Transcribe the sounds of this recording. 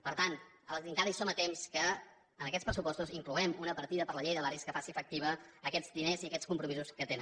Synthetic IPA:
pəɾt̪ant̪ | əlˠzðiŋkaɾisomət̪emskə | ənəkɛtt͡spɾəsupɔst̪uziŋkluɛmunəpəɾt̪iðəpəɾləʎejðəβaɾiskəfasiəfək̚t̪iβ̞əːkɛd͡zd̪ineziəkɛt͡sskumpɾumizuskət̪en

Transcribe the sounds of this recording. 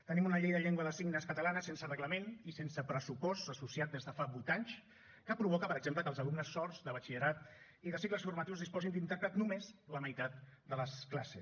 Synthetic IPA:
t̪ənimunəʎejðəʎeŋɡwəðəsiɡnəskət̪əlanəsensərəɣləmenisensəpɾəsupɔst̪əsusiat̪̚d̪ezðəfaβujt̪aɲt͡ʃ | kəpɾuβ̞ɔkəpəɾəɡzempləkəlzəlumnəsːɔrzd̪əβ̞ət͡ʃiʎəɾat̪ | iðəsikləsfurmət̪iwzðispɔzind̪int̪əɾpɾət̪numezləməjt̪at̪̚d̪ələsklasḛs

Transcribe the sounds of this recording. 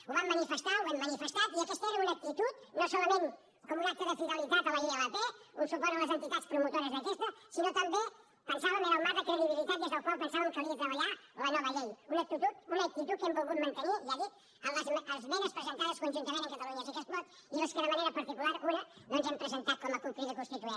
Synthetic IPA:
uβamːɐnifest̪auβemmːɐnifest̪at̪iɐkɛst̪ɛɾɐunɐk̚t̪it̪ut̪nosɔlɐmẽn | komunak̚t̪əðəfiðalit̪at̪əlalialapeunsupɔɾlɐzent̪it̪at̪spɾumut̪oɾɐzðɐkɛst̪ɐsinot̪ɐmbe | pənsaβəmelamat̪əkɾeðiβilit̪at̪jezəlkwalpənsaβɐmkaβiɐt̪ɾɐβɐʎalɐnɔβɐʎejunɐk̚t̪it̪ut̪unɐːk̚t̪it̪ut̪̚kempoɣut̪̚mɐ̃nt̪əniʒaði | əllazmʔəlzmɛnəspɾezent̪aðɐskunʲʒunt̪ɐmẽneŋkɐt̪ɐluɲasɐkɛst̪̚mɔt̪ | iβeskeðəmaneɾɐpɐɾt̪ikulaɾunɐnonzempɾezent̪at̪̚kɔmɐkuŋkɾiðəkust̪it̪uɛ

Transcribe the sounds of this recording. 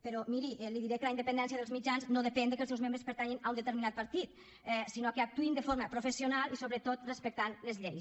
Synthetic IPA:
peɾɔmiɾiʔɛliðiɾekəlaind̪əpend̪ɛns̬jaðelzmid͡ʒanznoðepɛnd̪ekəlˠsɛwzmẽmbɾespəɾt̪aɲinaund̪ət̪əɾminat̪̚pəɾt̪it̪ | ɛsinokeak̚t̪uind̪əfoɾməpɾofesionalˠisoβɾət̪ot̪respək̚t̪anlezʎej

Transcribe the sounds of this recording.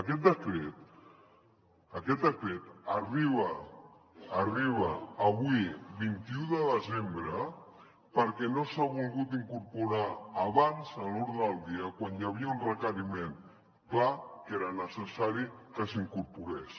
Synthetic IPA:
əkɛt̪̚d̪əkɾet̪ | əkɛt̪̚d̪əkɾet̪ariβəː | riβ̞əːβwiβint̪iuðəðəzembɾə | pəɾkɛnosaβulɣut̪iŋkuɾpuɾaːβanzəluɾðəlˠd̪iəkwanjaβ̞iaunrəkəɾimen | klakeɾənəsəsaɾikəsiŋkuɾpuɾes

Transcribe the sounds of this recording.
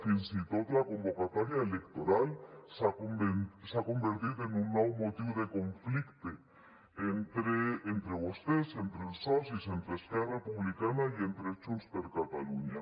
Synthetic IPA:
finsit̪oðlako̞mbokat̪oɾjaelekt̪oɾalsaoesako̞mbeɾt̪iðoenunːawmot̪iwoðeko̞ɱflikt̪e | ent̪ɾeːnt̪ɾeβost̪esent̪ɾelsosisent̪ɾeskeɾrapuβlikanajent̪ɾet͡ʃusp̪eɾkat̪aluɲa

